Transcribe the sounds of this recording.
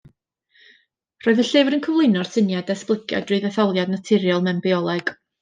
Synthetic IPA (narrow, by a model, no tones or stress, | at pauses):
r̥oːðəɬɪvɾənkʰəvlˠʊɨnɔr̥sɪnjadɛsplˠɪəkʰja̰drɨðɛθɔlˠjadnatʰɪɾjalˠmɛmbiɔlˠɛɡ̥